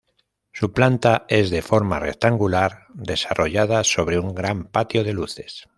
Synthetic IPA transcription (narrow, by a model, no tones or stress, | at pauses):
suplant̪aezðefoɾma̰rḛkt̪aŋɡulaɾd̪esarʔoʎaðasoβ̞ɾeuŋɡɾampat̪joð̞eluθes